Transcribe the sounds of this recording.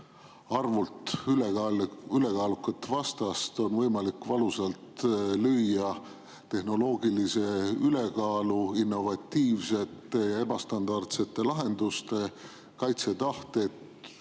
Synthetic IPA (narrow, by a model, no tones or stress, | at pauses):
ɑrvult̪eyle̞kɑːlukːˑɑt̪ːvɑst̪ɑst̪o̞nvɤjmɑlikvɑluselt̪løjːɑ | t̪e̞hno̞lo̞ːɡ̥ilise̞yle̞kɑːluinːo̞vɑt̪ːiːvse̞t̪ːˑe̞jɑe̞bɑst̪ɑnd̪̥ɑrt̪se̞t̪ːˑe̞lɑɦe̞nd̪̥ust̪e̞ | kɑjt̪se̞t̪ɑht̪e̞t̪